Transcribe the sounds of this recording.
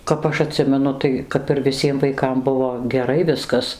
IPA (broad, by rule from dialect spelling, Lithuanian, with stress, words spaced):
kɐp ˈɐʃ ɐˈtʲsʲɪmʲɛnʊ ˈtɐɪ kɐp ɪr ʋʲɪˈsʲiɛm ʋɐɪˈkɐm ˈbʊʋoː ɡʲɛˈrɐɪ ˈʋʲɪskɐs